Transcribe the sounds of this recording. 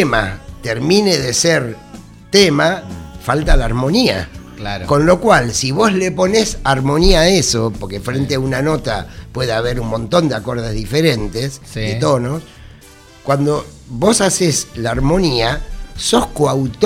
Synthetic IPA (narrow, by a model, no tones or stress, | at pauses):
mat̪eɾmineðeseɾ | t̪emafalt̪alaːɾmo̞nia̰ | lako̞nlo̞kwalsiβ̞o̞zlepo̞nesaɾmo̞niaːesopoɾkefɾent̪eaunano̞t̪a̰pweðeaβ̞e̞ɾummõ̞nt̪o̞nd̪eako̞ɾðezðifeɾent̪esset̪o̞no̞s | kwand̪o | βosaseslaːɾmo̞niaso̞skoawt̪